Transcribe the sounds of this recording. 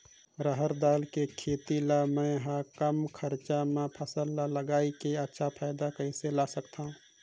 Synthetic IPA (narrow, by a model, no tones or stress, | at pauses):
ɾəɦəɾd̪aːlkekʰeːt̪ilamɛ̃ːɦakəmkʰəɾt͡ʃamẽpʰəsəlːaləɡaːikeɐtːʃʰapʰaːɪd̪akɐ̃ĩselaːsəkt̪aɦũ